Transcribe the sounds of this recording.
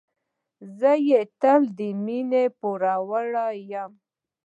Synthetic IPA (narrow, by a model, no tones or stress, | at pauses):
zəjet̪əld̪əminepuɾawəɽajam